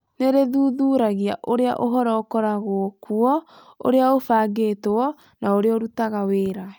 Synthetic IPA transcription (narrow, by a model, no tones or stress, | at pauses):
neɾeðuːðuːɾaɣiaʔoɾea̰ʔoɦɔɾɔokɔɾaɣokʰuɔ | o̰ɾeaofaːɡeːtoɔ | naoɾeoɾutaɣaweɾa